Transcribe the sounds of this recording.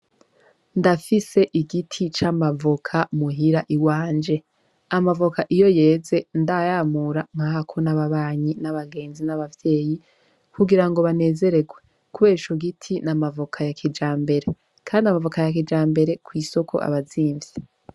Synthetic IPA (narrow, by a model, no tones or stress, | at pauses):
ndafise̞ʔiɡitʰit͡ʃamavokʰamuɦiɾaʔiwaːnd͡ʒe̞ | amavokaʔijo̞je̞ːze̞ndajaːmuɾaŋ̥hahakʰo̞naβaβaːɲinaβaɡe̞ːnzinaβavje̞ːji | kuɡiɾaŋɡo̞βane̞ːze̞ɾe̞ɡwe̞ | kuβe̞ːʃoɡitʰinamavokʰajakʰid͡ʒaːmbe̞ɾe̞ | kʰaːndiamavokajak̬id͡ʒaːmbe̞ɾe̞kwiːso̞kʰo̞̰ʔa̰βaziːɱve